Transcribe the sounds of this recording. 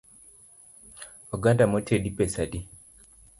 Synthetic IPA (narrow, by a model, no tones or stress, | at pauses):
oɡandamotʰedipesadi